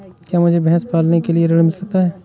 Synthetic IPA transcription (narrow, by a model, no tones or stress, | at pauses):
kjaːmʊd͡ʒʱebɛɦspaːlnekelieɾɐɽmɪlsɐk̚t̪aɦɛː